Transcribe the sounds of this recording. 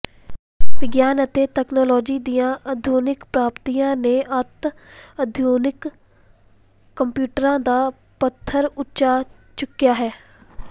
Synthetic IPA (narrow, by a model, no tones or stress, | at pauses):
ʋɪɡjaːnət̪eːt̪ɛːknɔːlɔːd͡ʒiːd̪ijãːəd̪ʱjoːnɪkpɾaːpt̪ijãːneʔət̪əd̪ʱjoːnɪk | əmpjuːʈəɾãːd̪aː | pət̪ʰːəɾʊt͡ʃaː | t͡ʃʊkːijaːɦɛː